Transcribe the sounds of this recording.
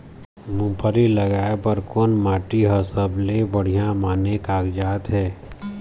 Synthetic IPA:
mũːpʰəɾiləɡaːepəɾkoːnmaːʈiɦəsəblebəɽ̤ijãmaːnekaːɡd͡ʒaːt̪ɦɛː

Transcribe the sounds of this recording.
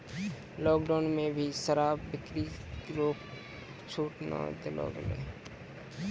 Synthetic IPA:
lɔːk̚ɖaːnmẽːbʱiːsəɾaːbːɪkɾiɾoːp | t͡ʃʰuːʈna̰ːd̪ɪlo̰ːɡəlḛː

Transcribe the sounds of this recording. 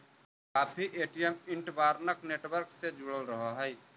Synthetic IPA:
kapʰiʔeʈijəmiɳʈbaɾnəkneʈwəɾksed͡ʒuɽəlɾəɦəɦəj

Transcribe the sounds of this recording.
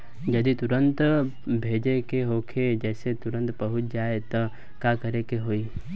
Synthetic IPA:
d͡ʒɐd̪it̪ʊɾə̃nt̪ | bʱeːd͡ʒekeɦoːkʰed͡ʒɛːset̪ʊɾə̃nt̪bɐɦʊt̪d͡ʒaːet̪ɔ | kakɐɾekeɦoːiː

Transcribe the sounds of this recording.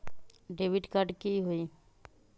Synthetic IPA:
ɖeːʋɪɖkaɾɖkiɦoi

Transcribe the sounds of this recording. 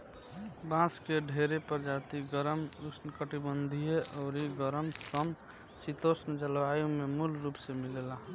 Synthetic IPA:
bãːskeɖʱeːɾepəɾd͡ʒaːt̪iɡəɾəmusnkəʈibənd̪ʱieʔɔːɾiɡəɾəmsəm | sit̪osnd͡ʒəlʋaːjõmemulɾuːpsemɪlela

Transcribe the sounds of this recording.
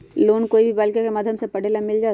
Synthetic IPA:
loːnkoːibʱibaːlkakemaːd̪ʱjəmsepɐɽ̤eːlamɪld͡ʒaː

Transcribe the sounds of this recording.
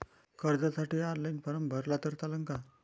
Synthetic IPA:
kəɾd͡zasaʈiːaɾlajnpəɾəmbʱəɾlat̪əɾt̪aləŋka

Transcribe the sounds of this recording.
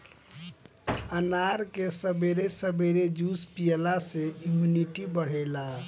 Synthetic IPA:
ənaɾkesəbeɾesəbeɾed͡ʒuspijəlaseimjuniʈibəɽ̤ɛla

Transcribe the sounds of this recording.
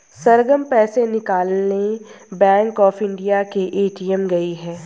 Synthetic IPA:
sɐɾɡəmpɛːsenɪkaːlne | bɛ̃ːŋkɔːfɪ̃ɳɖijakeʔeːʈiːəmɡɐiɦɛː

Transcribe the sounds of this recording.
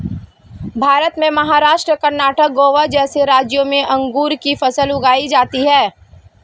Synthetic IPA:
bʱaːɾət̪mẽmɐɦaːɾaːʃʈɾəkɐɾnaːʈək̚ɡoːʋad͡ʒɛːseɾaːd͡ʒjõmẽʔɐ̃ŋɡuːɾkifɐsəlʊɡaːid͡ʒaːt̪iɦɛː

